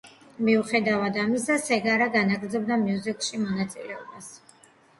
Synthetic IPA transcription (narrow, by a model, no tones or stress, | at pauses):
miuχɛd̪avad̪amisd̪asɛɡaɾaɡanaɡɾd̪zɔb̚d̪amiuzikʼʃimɔnat̪sʼḭlɛɔbas